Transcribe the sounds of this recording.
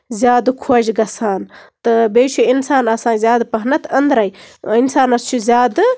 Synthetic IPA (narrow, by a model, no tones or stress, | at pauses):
zʲjaːd̪kʰod͡ʒɡɐsaːnt̪ɨbeːt͡ʃʰuinsaːnɐsãːzʲjaːd̪pɐɦnɐt̪ʰɐnd̪ɾajinsaːnɐst͡ʃʰuzʲaːd̪